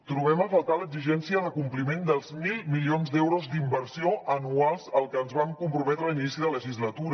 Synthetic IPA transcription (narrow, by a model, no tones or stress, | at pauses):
t̪ɾuβɛməfəlˠt̪aləɡziʒɛnsiəðəkumplimend̪əlˠzmilˠmilionzd̪ɛwɾozd̪imbəɾsioʔənualˠzəlˠkəːnzβaŋkumpɾumɛt̪ɾəʎinisiðələʒizlət̪uɾ